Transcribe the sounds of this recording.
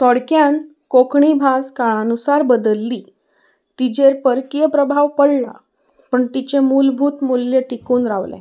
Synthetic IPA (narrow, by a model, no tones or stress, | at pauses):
t̪ɔɽkjan | kokɳibʱaskaɭanusaɾbəd̪əlːiː | t̪id͡ʑeɾpəɾkijəpɾəbʱaʋpəɽla̰ | pəɳt̪it͡ɕemulbʱuːt̪muljəʈikuːnɾaʋlɛ̰̃